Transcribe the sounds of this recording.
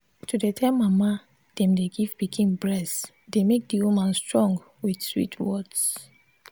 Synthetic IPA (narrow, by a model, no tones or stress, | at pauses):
tudetʰãmːama | d̥ɛ̃mdeɡivbikʰĩnbɹɛs | demek̚diwumãnstɹɔ̃ŋɡ | wid̥swḭtʰwɔds